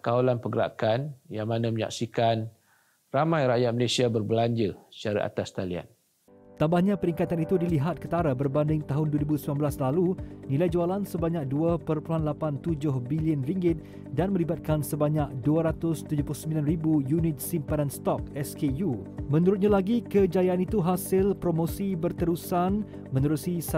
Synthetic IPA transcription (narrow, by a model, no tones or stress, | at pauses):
kawalanpəɡəɾa̰kanjaŋmanãməɲa̰ksikan | ramãjɾajat̪̚məlesiabərbəlaɲd͡ʒəsət͡ʃaɾa̰ʔa̰t̪ast̪alia̰n | t̪ambahɲãpəɾiŋkat̪anit̪udiliɦat̪̚kət̪aɾabərbandɪŋt̪aɦʊnduəɾibusəbianbəlaslalunilajd͡ʒualansəbaɲak̚duapərpuluɦanlapant̪ud͡ʒʊhbiliənriŋɡɪt̪̚ | danmə̃libat̪̚kansəbaɲak̚duəɾat̪ʊst̪ud͡ʒʊplʊhsəmbilanribujunɪt̪̚simpadanst̪ɔk̚ɛskeju | mə̃nuɾʊt̪̚ɲãlaɡikəd͡ʒajaʔanit̪uɦasɪlpɾomõsibərt̪əɾusan | mə̃nəɾusis